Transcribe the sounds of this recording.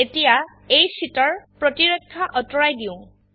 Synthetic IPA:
etija | ejsitɔɹpɹɔtiɹɔkʰːaʔɔtɔɹajdiʊ̃

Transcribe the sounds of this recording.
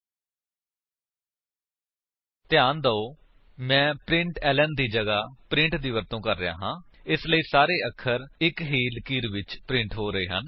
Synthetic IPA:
t̪ɪjaːnd̪əoː | mɛ̃ːpɾɪ̃ɳʈɛːlənd̪iːd͡ʒəɡaːpɾɪ̃ɳʈd̪iːʋəɾt̪õːkəɾːəja̰ːɦãː | ɪsləiːsaːɾeːəkʰːəɾɪkɦiːlkiːɾʋɪt͡ʃpɾɪ̃ɳʈɦoːɾəeːɦən

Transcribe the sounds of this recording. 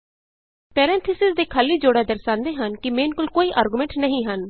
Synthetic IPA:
pɛːɾɛ̃ːnt̪ʰɪsɪsd̪eːkʰaːlːiːd͡ʒoːɽaːd̪əɾsãːnd̪eːɦənkɪmeːnkʊlkoːiːʔaːɾɡʊmɛ̃ɳʈnəɦĩːɦən

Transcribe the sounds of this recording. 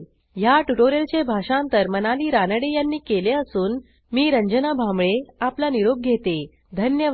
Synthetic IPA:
ɦjaʈuʈoɾelt͡ɕebʱaʂãnt̪əɾmənaliːɾanəɽejanːiːkeleəsuːn | miːɾəɲd͡ʑənabʱamɭeaplaniɾoɡ̚ɡʱet̪e | d̪ʱənjə

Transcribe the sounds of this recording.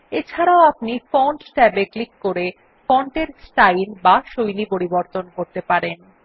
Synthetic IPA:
et͡ɕʰaɾaoapnifɔɳʈsʈɛbeklikːoɾe | fɔɳʈeɾsʈajlbaʃojlipoɾiboɾt̪onkoɾt̪epaɾen

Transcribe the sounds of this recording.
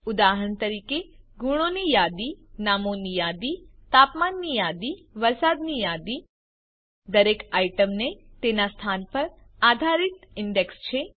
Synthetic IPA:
ʊd̪aɦəɳt̪əɾikeɡuɽ̃onijad̪inamonijad̪it̪apmanːijad̪iʋəɾsad̪nijad̪i | d̪əɾekaiʈəmnet̪enast̪ʰanpəɾ | ad̪ʱaɾɪt̪ɪɳɖekst͡ʃʰe

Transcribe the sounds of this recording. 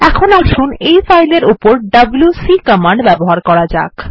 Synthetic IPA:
ɛkʰonaʃunejfajleɾupoɾɖɐbljusikəmaɳɖbɛboɦaɾkɔɾad͡ʑa̰k

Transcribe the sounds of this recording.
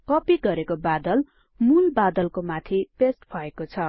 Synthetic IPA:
kʌpiɡʌɾekobad̪ʌl | mulbad̪ʌlkomat̪ʰipesʈpʰʌekot͡sʰʌ

